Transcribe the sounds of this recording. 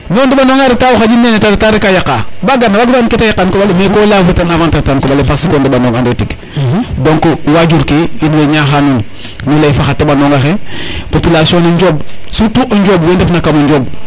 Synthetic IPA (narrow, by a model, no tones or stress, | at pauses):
nondebanoŋaɾetawoxad͡ʒinenetaɾtaɾekajakabaɡanːabaɡbanketajakankobalemekolafutanavantatankobalepasikondebanoŋɡandetik | doŋkowad͡ʒuɾkeidleɲaxanu | nulafaxatebanoŋaxepopilasioniɲd͡ʒobsutuʔaɲd͡ʒobwendefnakamuɲd͡ʒob